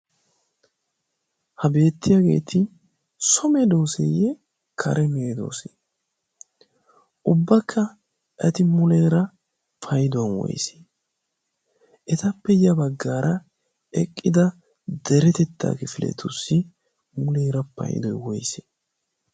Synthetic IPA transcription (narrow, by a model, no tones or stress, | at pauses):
hɐbe̞ːt̪ːɪjaɡe̞̰ːt̪ʰɪ | sɔmɛd̪o̞ːsḛjɛ | kʰɐ̰ɾʔɛmeːd̪o̞̰ːse | ʔʊbːɐkʰːɐ | ʔɐt̪ɪmʊlɛːɾɐ | pʰɐjd̪ʊwɐnwɔ̰jse̥ | ʔɛt̪ɐpːɛjɐbɐɡːaːɾɐ | ɛkʼːɪd̪ɐ | d̪ɛɾɛt̪ɛt̪ːa̰ːkɛfɪlʔɛ̰t̪ʊsɪ | mʊlɛːɾɐpɐ̰jɪ̰d̪ɔjwɔjse̥ː